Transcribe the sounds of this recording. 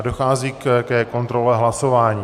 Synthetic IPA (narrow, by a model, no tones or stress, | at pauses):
do̞xaːziːkkɛko̞nt̪ɾo̞lɛɦlaso̞vaːɲiː